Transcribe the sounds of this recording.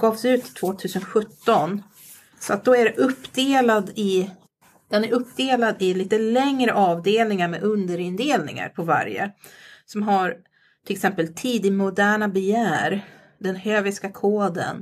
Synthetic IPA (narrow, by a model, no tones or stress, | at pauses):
ɡɑːvsʉ̟ːt̪ʰːt̪ʰːvoːt̪ʰʉ̟ːsənɧɵt̪ːɔn | sɔat̪̚d̪ɔæɖɛʔɵpːd̪eːlad̪ɪ | d̪̥ɛnæɾɵpːd̪eːlad̪ɪliːt̪əlɛŋɾəʔɑːvd̪eːlnɪŋaɾmḛʔɵnd̪əɾɪnd̪eːlnɪ̰ŋa̰ɾpʰɔva̰ɾjə̰sɔmɦaɾ | ʈʰɪlɛksɛmpəlt̪ʰiːd̪ɪmʊd̪æːɳabɛjæːɾ | d̪ɛnhøːvɪskakʰoːd̪ə̰n